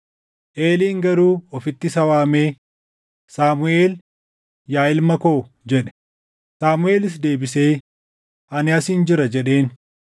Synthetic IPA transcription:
ʔeːliːŋɡɐɾuːɔfɪt̪ːɪsɐwaːmeː | saːmʊeːl | jaːɪlmɐkoː | d͡ʒɛᶑɛ̥ | saːmʊe̞ːlɪs̬d̪e̞ːbɪseː | ʔɐnɪɐsiːnd͡ʒɪɾɐd͡ʒɛɗe̞ːn

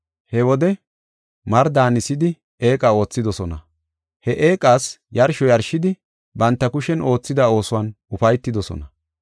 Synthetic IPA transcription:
hɛwɔd̪ɛ | mɐɾd̪aːnɪsɪd̪ɪ | e̞ːkʼao̞ːt͡sːɪd̪ɔsɔnɐ̰ | hɛʔe̞ːkʼaːsjɐɾʃɔjɐɾʃːɪd̪ɪ | bɐnt̪ːɐkʊʃɛno̞ːt͡sːɪd̪ao̞ːsʊwɐn | ʊfɐjt̪ːɪd̪ɔsɔ̰nɐ

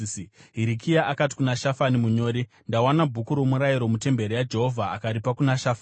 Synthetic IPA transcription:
ɦiɾikʰijaʔakat̬i̥kunaʃafanimuɲo̞ːɾi | ndawanabʱukuɾomuɾajiɾo̞mute̞mbe̞ɾejad͡ʒe̞ɦo̞vʱaːkaɾipakunaʃafn

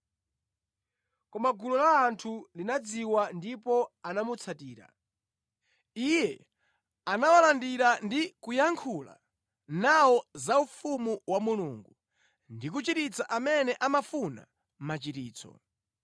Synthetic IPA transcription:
kɔmaɡulɔlaːntʰulinad͡ziwandipɔanamut͡sʰatiːɾa̰ | ijɛ | anawalandiɾandikujaŋkʰula̰ | nawɔzaufumuwamuluŋɡu | ndik̬ut͡ʃiɾit͡saʔamɛnɛʔamafuna̰ | m̩mat͡ʃitiːt͡sʰɔ̰

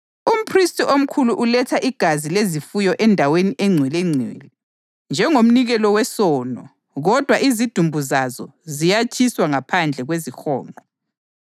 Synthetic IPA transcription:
um̩pʰristiʔom̩kʰuluʔulɛtʰaʔiɡ̥ʱazilezifujɔʔɛndʱaweniʔɛŋ͡ǀʱwilɛŋ͡ǀʱḭːlɛ | nd͡ʒʱɛŋom̩niɣɛlɔwɛsɔːnɔ | ɣɔd̥ʱwaʔizid̥ʱumbʱuzazɔzijat͡ʃʰiswaŋapʰand͡ɮʱɛɣwezixɔ̰ːmɔ

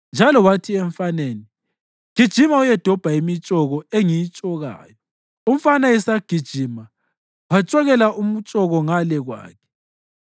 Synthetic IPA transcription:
nd͡ʒʱalɔwatʰiɛɱfaneːni | ɡ̥ʱid̥ʒ̥ʱimaujɛd̥ʱɔb̥ʱaimit͡ʃʼɔɣɔeŋijit͡ʃʼɔɣa̰ːjɔ | um̩fanaɛsaɡ̥ʱid̥ʒ̥ʱiːma | wat͡ʃʼɔɣɛlaʔum̩t͡ʃʼɔɣɔŋalɛɣwa̰ːkʰɛ̥

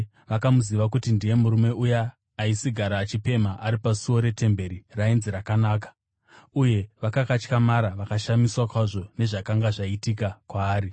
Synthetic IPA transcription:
ʋakamuziʋakutindije̞muɾume̞ujaː | isiɡʱaɾat͡ʃipe̞maʔaɾipasuo̞ɾe̞te̞mbe̞ɾirainziɾakanaːk̬ḁ | uje̞ʋakakat͡ʃkamaɾaʋakaʃamiswakwaʐo̞ne̞ʐakaŋɡaʐaitikakwaːɾi

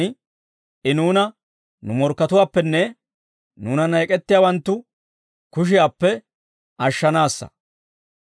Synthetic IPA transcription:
ɪ | ʔɪnuːnɐ | nʊmɔɾkːɐt̪ʊwaːpːɛnːɛ | nuːnɐnɐjɛkʼɛt̪ːɪjaːwɐnt̪ːʊ | kʊʃ̬ɪjaːpːɛ | ʔɐʃːɐnaːsːɐ̰

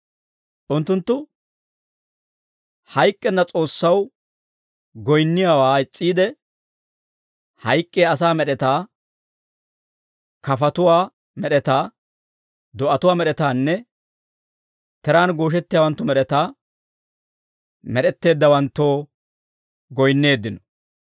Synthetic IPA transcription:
ʔʊnt̪ːʊnt̪ːʊ | hɐjkʼːɛnːɐt͡sʼo̞ːsːɐw | ɡɔjnːɪjaːwaːɪt͡sʼːiːd̪ɛ | hɐjkʼːeːɐs̬aːmɛɗɛt̪aː | kɐfɐt̪ʊwaː | mɛɗɛt̪aː | d̪ɔʔɐt̪ʊwaːmɛɗɛt̪aːnːɛ | t̪ɛɾaːnɡo̞ːʃ̬ɛt̪ːɪjaːwɐnt̪ːʊmɛɗɛt̪aː | mɛɗɛt̪ːe̞ːd̪ːɐwɐnt̪ːoː | ɡɔjnːe̞ːd̪ːɪnɔ̥

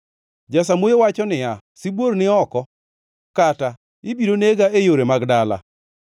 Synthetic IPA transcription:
d͡ʒas̬amojowat͡ʃɔnɪa | sɪbwoɾnɪɔkɔ | kata | ɪbiɾoneɡaejoɾemaɡdala̰

